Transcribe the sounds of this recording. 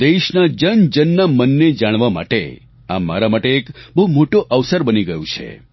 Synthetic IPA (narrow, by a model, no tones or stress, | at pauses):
d̪eʃnad͡ʒənd͡ʒənːamənːed͡ʒaɽ̃ʋama̰ʈḛ | ama̰ɾamaʈeːkbəɦumoʈoʔəʋsəɾbəniɡəjũt͡ʃʰḛ